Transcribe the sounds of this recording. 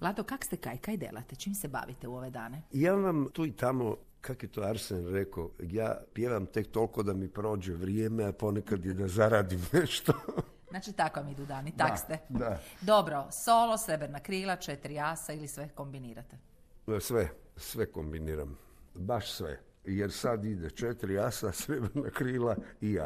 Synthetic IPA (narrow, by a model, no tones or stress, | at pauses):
ʋlˠad̪okakst̪ekajkaːjd̪ḛla̰t̪et͡ʃiːmseba̰ʋit̪euoʋed̪a̰ːneijaːʋamt̪uit̪amo | kʰakojet̪oːaɾsenɾekoja̰ːpjeʋamt̪e̞k̚t̪o̞lko̞d̪amipɾo̞ːd͡ʒeʋɾijemeapo̞nekad̪jed̪azaɾaːd̪imneʃt̪o | znaːt͡ʃit̪akoʋamid̪ud̪aːnit̪ast̪ed̪ad̪obɾosoːlˠosɾebɾnakɾiːlˠat͡ʃet̪ɾiasailisʋekombiniːɾat̪e | sʋe | sʋekombiniːɾa̰m | baʃsʋḛ | jeɾsad̪id̪et͡ʃet̪ɾiasasɾebɾnakɾiːlaia̰